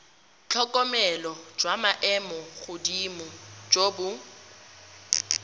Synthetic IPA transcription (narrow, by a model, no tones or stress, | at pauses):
t͡ɬʰɔkʼɔmɛlɔd͡ʒwamaʔɛmɔɣʊdimʊd͡ʒoːbʊ